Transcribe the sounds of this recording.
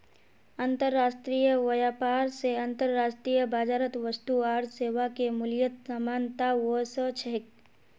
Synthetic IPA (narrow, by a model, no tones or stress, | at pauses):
ə̃nt̪əɾːaːsʈɾiːjəʋɐjaːpaːɾseɐ̃nt̪əɾːaːsʈɾiːjəbaːd͡ʒaːɾət̪ʋəst̪uaːɾseːʋakemʊljət̪samaːnt̪aʋosət͡ʃʰəɦɪk